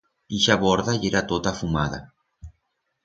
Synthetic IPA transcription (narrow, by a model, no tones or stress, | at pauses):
iʃaβoɾðaieɾat̪ot̪afumaða̰